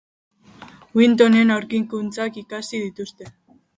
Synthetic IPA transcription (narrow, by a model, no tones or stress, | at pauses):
wint̪̬one̞nawɾkiŋkunt͡sakikasið̞it̪ust̪e̞